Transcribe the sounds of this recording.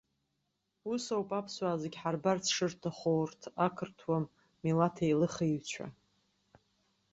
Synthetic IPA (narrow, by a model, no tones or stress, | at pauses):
usawpʼapʰswaːzeɡʲħarbart͡sʰʂɨrtʰaχowrtʰakʰɨrtʰwam | milatʰajlɨχiɥt͡ɕʷʰa̰